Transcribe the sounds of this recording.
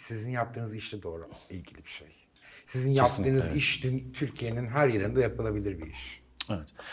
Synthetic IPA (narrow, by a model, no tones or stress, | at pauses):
sizinjap̚t̪ʰɯːnɯziʃt̪ɛd̪o̞ːɾṵilʲɟilʲibiʃḛj | sizinjap̚t̪ːɯːnɯziʃd̪ynt̪ʰyɾcʰijeninɦæɾjaɾɯnd̪ajapɯlˠabilʲiɾbḭiʃ | evɛt̪